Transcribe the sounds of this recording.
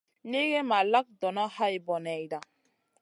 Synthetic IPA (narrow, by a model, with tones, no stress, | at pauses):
ne˦ɡe˦ma˨la˦k̚dɔ˨na˦ha˦i˨bɔ˨nɛ˨jda˨